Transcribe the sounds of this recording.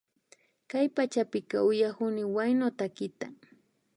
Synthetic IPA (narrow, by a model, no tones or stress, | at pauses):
kajpat͡ʃapɪkɑʊjahʊnɪwajnot̪akɪt̪a